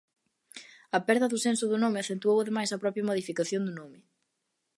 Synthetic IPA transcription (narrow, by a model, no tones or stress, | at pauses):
ɐpɛɾðɐðʊsensʊðʊnomɪɐθent̪uowɐðemajsɐpɾɔpjɐmoðifikaθjond̪ʊnomɪ